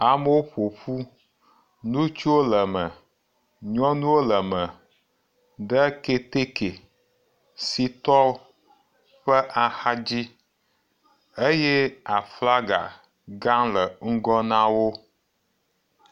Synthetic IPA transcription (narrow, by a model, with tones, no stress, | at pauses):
a˨mə˦wo˦ɸo˨ɸu˦ | nũ˦t͡ʃu˦wo˦lə˨mə˨ | ɲɔ̃˦nũ˦wo˦lə˨mə˨ | ɖə˦ke˦t̪e˦ke˨ | si˦t̪ɔ˦ | ɸə˦ʔa˨xa˦d͡ʑi˦ | e˦je˦a˨fla˦ɡa̰˨ | ɡã˦lə˨ŋ̩˦ɡɔ˦nã˦wo˦